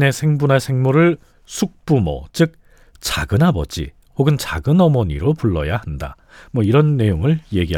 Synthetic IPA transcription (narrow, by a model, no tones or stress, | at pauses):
ne̞sʰe̞ŋbunasʰeŋmoɾɯɭ | sʰuk̚p͈umʌ̰t͡ɕɯk̚ | t͡ɕaɡɯnabʌd͡ʑḭ | hoɡɯnt͡ɕaɡɯnʌmʌɲiɾopuɭːʌ̰jahanda̰ | mwʌiɾʌnːe̞joŋɯɭje̞ɡi